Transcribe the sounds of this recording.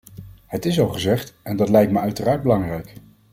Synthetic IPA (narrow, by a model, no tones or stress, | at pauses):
hətɪsɑlˠχəzɛχtɛndɑtlɛjktməœɥtəraːɹd̚bəlɑŋrɛjk